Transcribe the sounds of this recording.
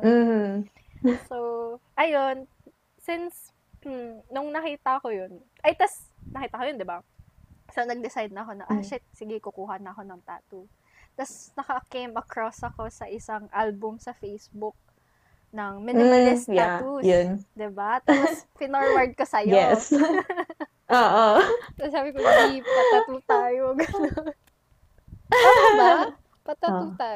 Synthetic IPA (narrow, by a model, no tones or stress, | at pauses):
m̩ːh̩ | sowʔɐjon | sɪns̩ | nʊŋnɐkiːt̪ɐɐko̞jonʔɐjt̪ɐs | nɐkiːt̪ɐkojond̪ɪba | sownɐɡ̚d̪ɪsajd̪nɐɐko̞nɐʔɐʃɛsɪɡɪkʊkuːɦɐnɐɐko̞nɐŋt̪a̰ːt̪u | t̪ɐsnɐkɐkejmɐkɹosɐko̞sɐʔɪsɐŋʔalbʊmsɐfejsbʊk̚ | nɐŋmɪnɪlɪsjat̪ujond̪ɪbat̪apospɪnoɹwɐɹd̪̚kɐsɐjjɛs | ʔoːʔosasaːbɪkonɐhipɐt̪ːɐt̪uːt̪aːjoɡɐnon | pɐut̪a | pɐt̪ɐt̪uːt̪aː